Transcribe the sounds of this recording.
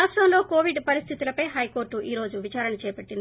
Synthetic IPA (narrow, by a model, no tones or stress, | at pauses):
aːʂʈɐmloːkoːʋiɖpɐɾist̪ʰit̪ulɐpɐjɦɐjko̞ːɾʈːuʔiːɾo̞ːd͡ʒuʋit͡ʃaːɾɐɳɐt͡ʃɛːpɐʈːin